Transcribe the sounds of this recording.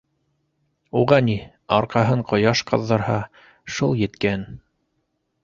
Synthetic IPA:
uʁɑni | ɑɾqɑɦɤɴqŏjɑʃqɑ̆ðːɤ̆ɾhɑ | ʃulˠjɘ̆t̪kæn

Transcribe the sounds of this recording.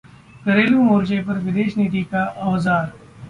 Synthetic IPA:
kɐɾeːlũːmoːɾd͡ʒepɐɾʋɪd̪eːʃniːt̪ikaʔɐʋzaːɾ

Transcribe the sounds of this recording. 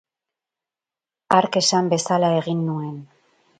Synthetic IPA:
aɾke̞sambe̞salae̞ɣinːue̞n

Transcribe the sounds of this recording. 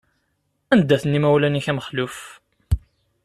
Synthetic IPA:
ænd̪ːæθənːimæwlæniçæməχluf

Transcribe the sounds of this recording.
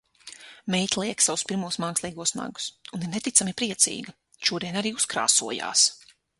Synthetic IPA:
mɛjt̪ʲlˠiɛksavuspiɾmuɔsmaːkslˠiːɡuɔsna̰ɡu̥suniɾnet̪it̪samipɾiɛt̪sḭːɡɐ | ʃuɔd̪iɛnaɾiːuskɾa̰ːsuɔja̰ːs

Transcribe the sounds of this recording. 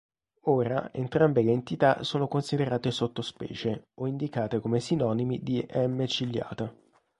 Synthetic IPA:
oːɾaḛnt̪ɾambeleːnt̪it̪a̰soːnokonsid̪eɾaːt̪esot̪ːospɛ̰ːt͡ʃeoind̪ikaːt̪ekomesinɔːnimid̪iʔɛmːet͡ʃilːja̰ːt̪a

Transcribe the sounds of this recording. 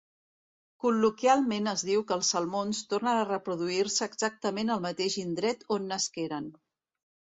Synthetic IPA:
kulukialˠmenəzðiwkəːlˠsːəlˠmonst̪ornəərəpɾuðuiɾsəːɡzak̚t̪əmenəlˠmət̪eʒind̪ɾɛt̪onːəskeɾən

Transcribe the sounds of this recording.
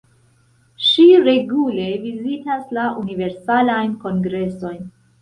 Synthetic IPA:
ʃiɾe̞ɡule̞vizitaslaʔunive̞ɾsalajnko̞ŋɡɾe̞so̞jn

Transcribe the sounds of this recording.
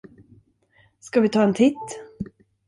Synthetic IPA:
skavɪt̪ʰɑːɛnt̪ʰɪt̪ː

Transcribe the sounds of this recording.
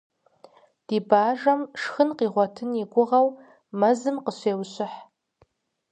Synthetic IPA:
d̥iːbaːʒɐmʂxɨnqiːʁʷɔtʰɨniɡʷʊʁɐw | mɐzɨmqəɕʷeːwɕɪħ

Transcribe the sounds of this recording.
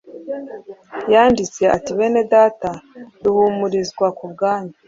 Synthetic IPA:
jaːndit͡se̞atiβe̞ne̞daːtaduhumuɾizɡwakub̚ɡaːɲa

